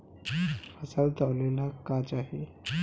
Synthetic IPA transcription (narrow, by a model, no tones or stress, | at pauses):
əsald̪aʋlelakad͡ʑaɦe